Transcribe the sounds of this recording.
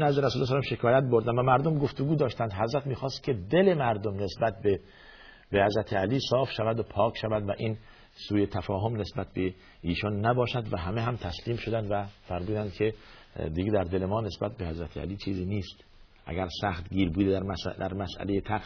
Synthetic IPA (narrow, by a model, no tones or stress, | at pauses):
næzd̪eɾæsuːlːɑs̬ælɑmʃe̞kʰɒːjæt̪̚bo̞ɾd̪æmvæmæɾd̪omɡoft̪oɡuːd̪ɒːʃt̪ænd̪ɦæzɾæt̪miːxɒːst̪kʰe̞d̪e̞le̞mæɾd̪omne̞sbæt̪̚be | behæzɾæt̪ʰeæliːsɒːfʃævæd̪opʰɒːkʃævæd̪væʔiːn | suːjet̪ʰæfɒːɦomne̞sbæt̪̚be | iːʃɔnːæbɒːʃæd̪væɦæmeɦæmt̪ʰæsliːmʃod̪ænd̪væfæɾmuːd̪ænd̪̚kʰe̞ | d̪iɡed̪æɾd̪elemɒːne̞sbæt̪̚behæzɾæt̪ʰeæ̰liːt͡ʃʰiːziːniːst̪ | ʔæ̰ɡæɾsæxt̪ɡiːɾbuːd̪ed̪æɾsd̪æ̰ɾmæsʔæ̰lejet̪ʰæqs